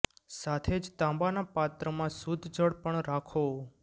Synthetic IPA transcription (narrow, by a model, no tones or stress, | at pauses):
sat̪ʰed͡ʒt̪ãmbanapat̪ɾəmãsud̪ʱd͡ʒəɽpəɳɾakʰo